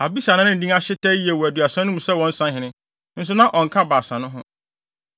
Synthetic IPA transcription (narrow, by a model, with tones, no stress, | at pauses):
a˨bi˦sa˨nã˦ʊ̃˦n̩˨dĩ˦a˦ɕɪ˦tʰɛ˦ji˦e˨wɔ˨æ˨dɥa˨sã˦n˦ũ˦m̩˨sɛ˦wɔ̃˦n̩˦sã˦ɦɪ̃˨nɪ̃˦ | n̩˦s̬ʊ˦nã˦ʔɔ̃˨ŋ̩˨kʰã˦baː˨sã˨nʊ̃˦ɦʊ̃˦